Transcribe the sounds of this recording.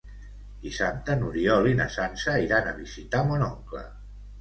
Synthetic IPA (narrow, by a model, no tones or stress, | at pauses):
d̪isap̚t̪ənuɾiɔlinə̰sansəiɾanəβizit̪amɔnɔŋklə̰